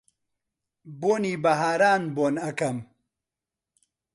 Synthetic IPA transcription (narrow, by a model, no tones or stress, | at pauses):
boːniːbɐɦaːɾaːnboːnɐkɐm